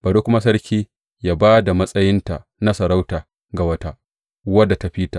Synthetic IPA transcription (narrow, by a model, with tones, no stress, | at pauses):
baː˨do˦kʷʊ˦ma˦s̬ɐ˦ɾkʲiː˦ | jaː˦baː˦da˨mɐ˦sʼɐ˦jɪ˦nta˨ | na˦sɐ˨ɾa˦wta˨ | ɡa˨wɐ˦ta˦ʔ | wɐ˦dːa˨ta˨ɸiː˦ta˨ʔ